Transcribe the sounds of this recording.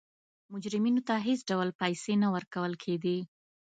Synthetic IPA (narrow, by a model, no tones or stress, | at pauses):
mʊd͡ʒɾɪminot̪aɦesɖawlpajsenawəɾkawəlkʰeɡ̪i